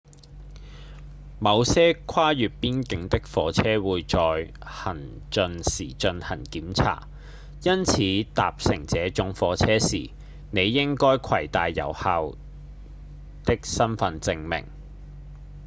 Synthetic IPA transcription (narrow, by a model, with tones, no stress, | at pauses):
mɐ˨˧wsɛː˥kʰaː˥jyː˨t̚piː˥nkɪ˧ŋt̪ɪ˥k̚fɔː˨˧t͡sʰɛː˥wuː˨˧jt͡ʃɔː˨˧j | hɐ˨˩n | t͡ʃɵ˧nsiː˨˩t͡ʃɵ˧nhɐ˨˩nkiː˨˥mt͡sʰa̰ː˨˩t | jɐ˥nt͡sʰiː˨˧t̪aː˨p̚sɪ˨˩ŋt͡sɛː˨˥t͡ʃʊ˧˥ŋfɔː˨˧t͡sʰɛː˥siː˨˩ | ne˨˧jːɪ˥ŋkɔː˥jkʷʰɐ˨˩jt̪aː˨jːɐ̰˨˩whaː˨˧w | t̪ɪ˥k̚sɐ˥nfɐ˧nt͡sɪ˧ŋmɪ̰˨˩ŋ